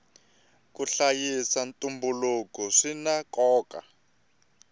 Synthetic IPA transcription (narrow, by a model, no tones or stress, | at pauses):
kuɬajisantʼumbulukɔʂinakɔːka